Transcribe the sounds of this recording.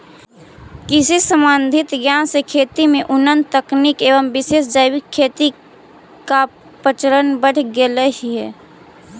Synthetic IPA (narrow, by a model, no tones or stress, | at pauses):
kɪsisə̃mbə̃nd̪ʱɪt̪ɡjaːnsekʰeːt̪imẽʔʊnənt̪əknikeːʋəmbɪseːsd͡ʒəɪwɪkʰːeːt̪i | ka | pət͡ʃəɾənbəɽ̤ʰɡeləɦiɦɛː